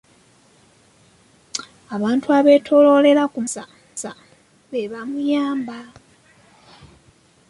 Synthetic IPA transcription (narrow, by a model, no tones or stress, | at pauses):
aβaːntʰuaβe̞ːtʰo̞lo̞le̞lakusa | sa | βeβamujaːmba